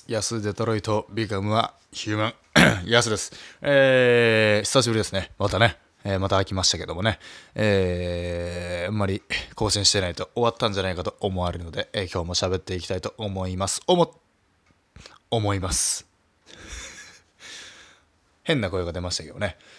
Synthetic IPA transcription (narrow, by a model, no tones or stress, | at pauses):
jasɨd̪e̞t̪oɾo̞it̪o̞bʲiɡamɯ̟a | çɯːmãŋ | jasɨd̪e̞sɨ̥eː | ɕi̥saɕ̬ibɯ̟ɾid̪sɨne̞mat̪ane̞ | eːmat̪aːkʲimaɕi̥t̪ake̞d̪o̞mo̞ne̞eː | amːaɾʲiko̞ːɕĩɕi̥t̪e̞nait̪o̞ʔoβat̪ːãɲ̟d͡ʑanaikat̪o̞omo̞aɾɯ̟nod̪e̞ekʲo̞ːmo̞ɕabe̞t̪ːe̞ikʲi̥t̪ait̪o̞ʔomo̞imasɨ̥omo | omo̞imasɨ̥ | hẽ̞nːako̞eɡad̪e̞maɕi̥t̪ake̞d̪o̞ne̞